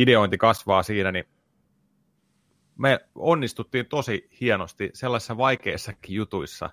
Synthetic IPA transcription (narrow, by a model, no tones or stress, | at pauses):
ideoint̪ikɑsʋɑːsiːnæni | meonːist̪ut̪ːiːnt̪osihienost̪iselːɑsi̥sːɑʋɑikḛisːɑkːijut̪uisːɑ̰